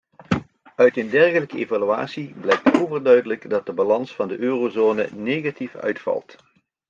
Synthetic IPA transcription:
œɥtəndɛrɣələkəeːvalya̰ːsiblɛjk̚towvərdœɥdələɡdɑt̚dəbalɑnsfɑndəʔøːrozoːnə̰neːɣatifœ̰ɥtfɑ̰lˠt

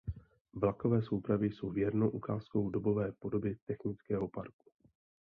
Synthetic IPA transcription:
vlako̞vɛːsowpɾavjɪjso̞wvjɛɾnowʔukaːsko̞wdo̞bo̞vɛːpo̞do̞bjɛt̪ɛxnɪt͡skɛːɦo̞pa̰ɾku̥

